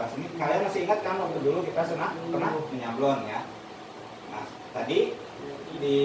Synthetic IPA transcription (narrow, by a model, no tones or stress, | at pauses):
asinikaliaŋmasɪhiŋat̪̚kanwak̚t̪udulukit̪asənahkənahmiɲamblɔnja | na̰h | t̪adi | di